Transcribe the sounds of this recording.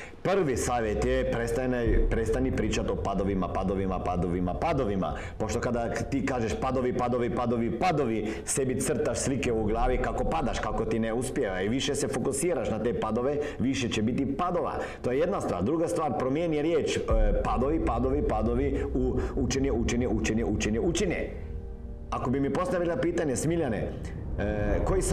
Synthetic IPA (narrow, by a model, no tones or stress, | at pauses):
pr̩ʋisaːʋjet̪jepɾest̪anpɾet̪st̪anipɾiːt͡ʃat̪opad̪o̞ʋimapad̪o̞ʋimapad̪oʋimapad̪o̞ʋima̰ | poʃt̪o̞kad̪at̪iːkaːʒeʃpad̪oʋipad̪o̞ʋipad̪o̞ʋipad̪o̞ʋi | sebit̪sr̩t̪aʃslikeuɡlˠaːʋikako̞pad̪aʃkako̞t̪ineuspjeʋaiʋiʃesefokusiːɾaʃnat̪e̞ːpad̪o̞ʋe̞ | ʋiʃet͡ɕebit̪ipad̪o̞ʋa̰ | t̪ojeje̞d̪nast̪ʋa̰ːɾd̪ɾuɡast̪ʋaːɾpɾomjeːnijeɾjeːt͡ʃpad̪oʋipad̪oʋipad̪oʋiuut͡ʃeɲeut͡ʃeɲeut͡ʃeɲeʔut͡ʃeɲeut͡ʃeɲḛ | akobimipo̞st̪aʋilˠapiːt̪aɲesmiʎanḛ | kois